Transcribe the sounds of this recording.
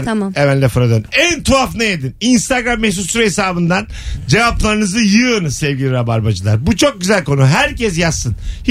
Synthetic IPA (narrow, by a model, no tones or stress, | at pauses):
nɛvænlʲɛfɾad̪ønænt̪ʰuafnajed̪ininst̪aɡɾamːɛhsut̪suɾesaːbɯnd̪an | d͡ʒe̞vaplˠaɾɯnɯzɯjɯnɯsɛvɟilʲiɾabaɾbad͡ʒɯlˠaɾbut͡ʃʰo̞k̚ɟyzælʲko̞nuɦæɾcɛs̬jasːɯnh